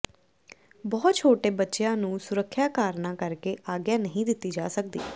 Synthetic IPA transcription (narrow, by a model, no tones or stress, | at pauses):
bɔːt̪̚t͡ʃʰoːʈeːbətːʃjãːnũːsʊɾəkʰːjaːkaːɾnãːkəɾkeːʔaːɡjaːnəɦĩːd̪ɪt̪ːiːd͡ʒa̰ːsək̚d̪ḭː